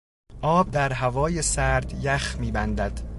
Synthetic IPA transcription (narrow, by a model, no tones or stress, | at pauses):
ʔɒːb̚d̪æɾɦævɒːjesæɾd̪jæxmiːbænd̪æd̪̥